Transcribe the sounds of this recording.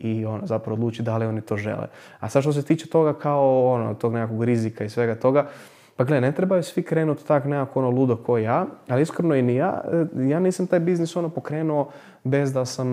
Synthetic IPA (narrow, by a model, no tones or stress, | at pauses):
io̞nozapɾaʋod̪lˠuːt͡ʃid̪alio̞nit̪o̞ʒḛlḛ | a̰sad̪ʃt̪os̬et̪iːt͡ʃe̥t̪o̞ɡakʰaoono̰t̪o̞ɡnekako̞ɡɾizikaisʋe̞ɡat̪o̞ɡa | paɡlene̞t̪ɾebajusʋikɾeːnut̪t̪aknekakoonolud̪okʰojaːaliiskɾnoinija̰ːjaːniːsamt̪aːjbizniso̞nopo̞kɾeːnuo̞ | be̞zd̪asam